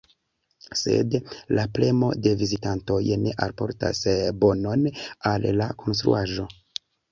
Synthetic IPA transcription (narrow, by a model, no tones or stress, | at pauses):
se̞̰dlaple̞mo̞̰de̞vizitanto̞jne̞ʔalpo̞̰ɾta̰sbo̞no̞nalːakʰo̞ns̬t̪ɾṵʔaʒo̞